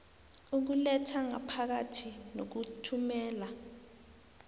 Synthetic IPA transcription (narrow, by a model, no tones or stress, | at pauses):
uk̬ulɛtʰaŋa̰pʰak̬atʰinok̬utʰumɛːla